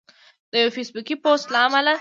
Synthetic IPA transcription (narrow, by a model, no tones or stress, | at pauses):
d̪eofesbukipoːstlaːmɐlɐ